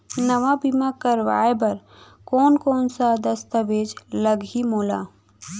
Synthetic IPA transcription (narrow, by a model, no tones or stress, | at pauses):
nəʋabimakəɾʋa̰ːebɐɾ | kɔːnkɔːnsad̪əst̪əʋeːd͡ʒləɡɦimoːla̰ː